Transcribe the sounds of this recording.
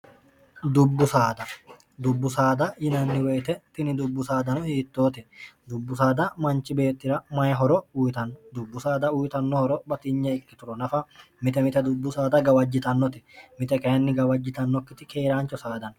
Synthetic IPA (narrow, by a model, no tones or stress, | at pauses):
d̪ʊbːʊsaːd̪ɐ | d̪ʊbːʊsaːd̪ɐjɪnɐnːɪwejt̪ɛt̪ɪnɪd̪ʊbːʊsaːd̪ɐnɔhiːt̪ːo̞ːt̪ɛd̪ʊbːʊsaːd̪ɐmɐnt͡ʃːɪbe̞ːt̪ːɪɾɐmɐjɛɦɔɾɔʊjt̪ɐnːɔd̪ʊbːʊsaːd̪ɐʊjt̪ɐnːɔhɔɾɔbɐt̪ɪɲːɐɪkːɪt̪ʊɾɔnɐfɐ | mɪt̪ɛmɪt̪ɛd̪ʊbːʊsaːd̪ɐɡɐwɐd͡ʒːɪt̪ɐnːɔt̪ɪmɪt̪ɛkʼɛɐnːɪɡɐwɐd͡ʒːɪt̪ɐnːɔkːɪt̪ɪkeːɾaːnt͡ʃːɔsaːd̪ɐn